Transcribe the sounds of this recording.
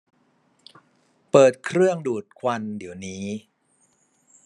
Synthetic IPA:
pɤː˨˩t̪̚kʰɾɯ˥˩əŋduː˨˩t̪̚kʰwa˧ndi˩˦əwniː˦˥

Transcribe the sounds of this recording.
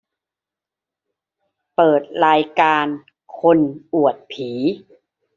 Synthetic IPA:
pɤː˨˩t̪̚ɾaː˧jkaː˧n | kʰo˧nʔu˨˩ət̪̚pʰiː˩˦

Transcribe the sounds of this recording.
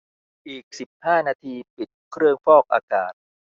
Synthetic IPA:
ʔiː˨˩k̚si˨˩p̚haː˥˩naː˧t̪ʰiː˧pi˨˩t̪̚kʰɾɯ˥˧əŋfɔː˥˩k̚ʔa̰ː˧ka̰ː˨˩t̪̚

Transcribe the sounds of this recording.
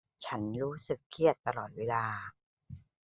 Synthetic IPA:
t͡ɕʰa˦˥nɾuː˦˥sɯ˨˩kʰːi˨˩ət̪ːa˧lɔː˨˩t̪̚weː˧laː˧

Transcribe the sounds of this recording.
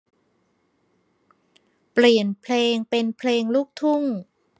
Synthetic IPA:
pli˨˩ənpʰleː˧ŋpe˧npʰleː˧ŋlu˦˥˩k̚t̪ʰu˥˩ŋ

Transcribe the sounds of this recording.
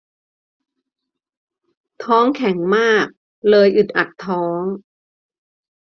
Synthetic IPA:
t̪ʰɔː˦˥ŋkʰɛ˩˦ŋmaː˥˩k̚ | lɤː˧jʔɯ˨˩t̪̚ʔa˨˩t̪ʰːɔː˦˥ŋ

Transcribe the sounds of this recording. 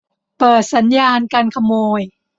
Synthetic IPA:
pɤː˨˩t̪̚sa˩˦njaː˧nka˧nkʰa˧moː˧j

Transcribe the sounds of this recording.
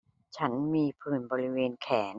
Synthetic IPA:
t͡ɕʰa˦˥nmiː˧pʰɯː˨˩nbɔː˧ɾi˦˥weː˧nkʰɛː˩˦n

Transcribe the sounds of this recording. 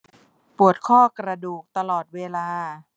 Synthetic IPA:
pu˨˩ət̪̚kʰɔː˥˩kɾa˧duː˨˩k̚t̪a˧lɔː˨˩t̪̚weː˧laː˧

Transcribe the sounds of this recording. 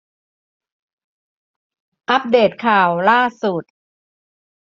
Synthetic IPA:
ʔa˦˥p̚deː˨˩t̪̚kʰaː˨˩wlaː˥˩su˨˩t̪̚

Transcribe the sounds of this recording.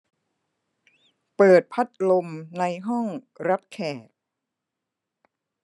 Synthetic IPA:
pɤː˨˩t̪̚pʰa˦˥t̪̚lo˧mna˧jɦɔ˥˩ŋɾa˦˥p̚kʰɛː˨˩t̪̚

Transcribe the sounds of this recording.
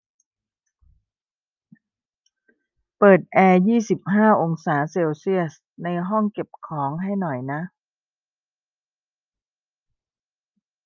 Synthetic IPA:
pɤː˨˩t̪̚ʔɛː˧jiː˥˩si˨˩p̚ɦaː˥˩ʔo˧ŋsaː˩˦seː˧wsi˥˩əs | na˧jɦɔ˥˩ŋke˨˩p̚kʰɔː˩˦ŋɦa˥˩jnɔ˨˩jna˦˥ʔ

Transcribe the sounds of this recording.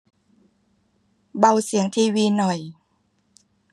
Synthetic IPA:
ba˧wsi˨˩˦əŋt̪ʰiː˧wiː˧nɔ˨˩j

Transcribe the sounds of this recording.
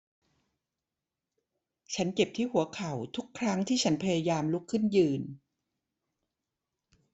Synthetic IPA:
t͡ɕʰa˦˥nt͡ɕe˨˩p̚t̪ʰiː˥˩hu˩˦ɐkʰa˨˩wt̪ʰu˦˥kʰːɾa˦˥ŋt̪ʰiː˥˩t͡ɕʰa˦˥npʰa˧jaː˧jaː˧mlu˦˥kʰːɯ˥˩njɯː˧n

